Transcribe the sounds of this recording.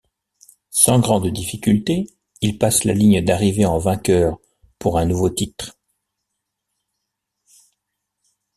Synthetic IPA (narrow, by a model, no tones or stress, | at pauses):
sɑ̃ɡʁɑ̃d̪d̪ifikʲylt̪e | ilpasla̰liɲd̪aʁiveɑ̃vɛ̃kʲœːʁ | puʁɛ̃nuvot̪it̪χ